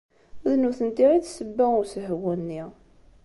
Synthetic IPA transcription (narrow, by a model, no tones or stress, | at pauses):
ðnuθənt̪iɾisəbːæʊsəɦwənːi